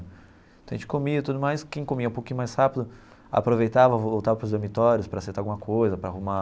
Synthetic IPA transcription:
t̪ɐ̃w̃ẽt͡ʃɪ̥komiɐt̪ud̪ʊmajskẽj̃komiɐũpowkĩɲʊmajshapid̪ʊ | a̰pɾovejt̪avɐvoowt̪avɐpɾʊzd̪oɾmit̪ɔɾjʊspɾɐaseɾt̪awɡũmɐkʰojzɐpɾɐahuma

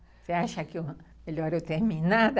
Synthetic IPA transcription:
seaʃakju | eloaɾut̪emĩnãð

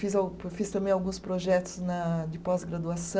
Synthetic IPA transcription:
fizawfist̪ɐ̃mbẽj̃awɡũspɾoʒɛt̪ʊ̥znɐd͡ʒ̪ɪpɔzɡɾad̪uasɐ̃

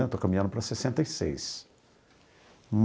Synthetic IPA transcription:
t̪okɐmĩɐ̃ndʊpɐɾɐsesẽnt̪ɐjsḛjs | m

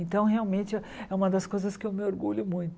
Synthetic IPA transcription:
ẽnt̪ɐ̃w̃ɦeawmẽnt͡ʃɪɛ | ɛũmɐd̪ɐskojzɐskɪewmɪoɾɡuʎʊmũj̃t̪

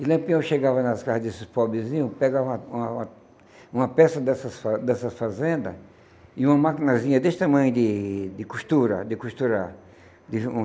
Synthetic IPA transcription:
ɪlɐ̃pĩõʃeɡavɐnɐskahɐzd̪esɪpɔbɾɪzĩɲʊpeɡavɐ̃ɐũɐ̃ɐ | ũmɐpɛsɐd̪ɛsɐsfad̪ɛsɐfazẽnd̪ɐ | ɪũmɐmakinazĩɲɐd̪eʃt̪ɐmɐ̃j̃d̪ɪd̪ɪkust̪uɾɐ̰d̪ɪkust̪uɾaɾ | d̪ɪũ

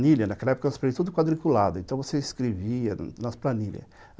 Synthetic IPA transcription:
nilʲjɐnɐkɛlɐɛpokɐvose̥faɾiɐt̪ud̪ʊkwad̪ɾikulad̪ʊẽnt̪ɐ̃w̃voseiskɾeviɐnɐsplaniljɐ̰

